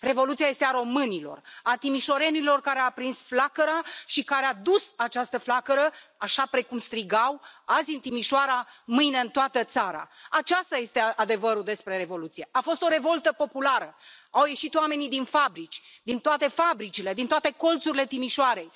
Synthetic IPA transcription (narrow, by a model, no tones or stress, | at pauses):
re̞vo̞lut̪siaje̞st̪eaɾo̞mɨnilo̞̰rat̪imiʃo̞ɾe̞nilo̞rkaɾeapɾinsflakəɾaʃikaɾead̪usat͡ʃast̪əflakəɾəaʃapɾe̞kumst̪ɾiɡawazʲɨnt̪imiʃoaɾamɨjne̞ɨnt̪oat̪ət̪saɾa̰at͡ʃast̪aje̞st̪e̞ad̪e̞vəɾud̪e̞spɾe̞ɾe̞vo̞lut̪sije̞ʔafo̞st̪o̞ɾevo̞lt̪əpo̞pulaɾəawje̞ʃit̪oame̞nid̪infabɾit͡ʃʲd̪int̪oat̪e̞fabɾit͡ʃile̞d̪int̪oat̪e̞ko̞lt̪suɾile̞t̪imiʃoaɾe̞j